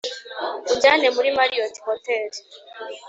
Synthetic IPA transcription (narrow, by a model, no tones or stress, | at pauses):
uɲɟanemuɾimaɾioti̥koteɾi